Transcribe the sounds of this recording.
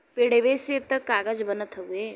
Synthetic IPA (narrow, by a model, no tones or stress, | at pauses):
peɽeʋeset̪ɐkaːɡəd͡ʒbɐnət̪ʰɐe